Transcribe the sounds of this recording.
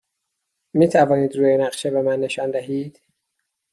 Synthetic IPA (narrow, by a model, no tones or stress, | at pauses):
miːt̪ʰævɒːniːd̪ɾuːjenæɢʃebemænːe̞ʃɒːnd̪æɦiːd̪̥